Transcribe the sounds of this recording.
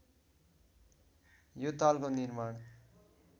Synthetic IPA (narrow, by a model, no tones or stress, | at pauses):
jot̪alkonirmaɽ